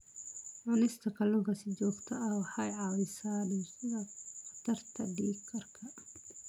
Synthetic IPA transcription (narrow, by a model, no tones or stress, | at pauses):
ʕʊlɪst̪ʰɐkʰɐlʊŋkɐsɪd͡ʒɔːɡt̪ʰɐɐwɑħɑjʕɑːwɛsaːnɛɐɐt̪ʰɐrt̪ʰɐɖiːɡkʰːɐrkʰɐ